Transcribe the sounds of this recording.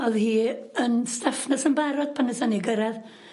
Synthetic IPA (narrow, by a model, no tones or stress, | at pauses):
ɔðhiːənstafnasənbaɾɔd̚banəsaniɡəɾað